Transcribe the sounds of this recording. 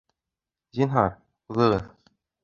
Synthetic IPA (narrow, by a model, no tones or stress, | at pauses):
zinɦɑɾ | uðɤ̆ʁɤð